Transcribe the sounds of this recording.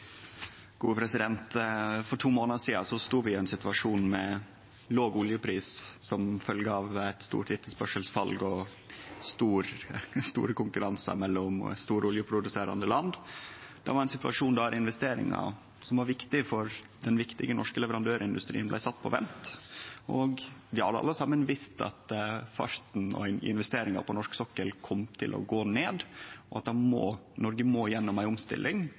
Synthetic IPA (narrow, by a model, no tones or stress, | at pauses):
ɡ̥uːəpʰɾɛsɪd̪ɛnt̪fɔʈʰuːmoːnəsiːɑsɔst̪uːʋɪæɪnsɪt̪ʋɑʂuːnmɛ | loːɡʊljəpʰɾiːssɔmfœlɡəɑʋæɪt̪st̪ṵːʈ̪ɪt̪ːəspœʂəlsfɑlɡɔ | st̪uːɾst̪ṵːɾəkʊŋkʉɾɑnsɑ̰mɛlːɔmst̪uːɾəʊljəpʰɾʊd̪ʉseːɾɑ̰nd̪əlɑnd̪d̪ɛ̰ʋɑɾæɪnsɪt̪ʋɑ̰ʂuːnd̪æɾɪnʋɛst̪eːɾɪ̰ŋɑ̰ | sɔmʋɑɾʋɪkt̪ɪfɔɾ | d̪ɛnʋɪkt̪ɪɡənɔʂkəlɛʋəɾɑnd̪øːɾɪnd̪ʉst̪ɾiːnblæɪsɑt̪ːpʰɔʋɛ̰nt̪ʔɔɡʋɪhɑ̰d̪əɑ̰lːəsɑmːənʋɪst̪ʰɑ̰t̪fɑ̰ʂt̪n̩ɔ̰nɪ̰nʋɛst̪eːɾɪŋɑ̰pʰɔnɔʂksɔkːəlkʰɔmt̪ʰɪlʔɔ̰ɡoːneːd̪ɔɑt̪̚d̪ɑmoːnɔɾɡəmoːjɛnːɔmæɪɔmst̪ɪ̰lʔɪŋ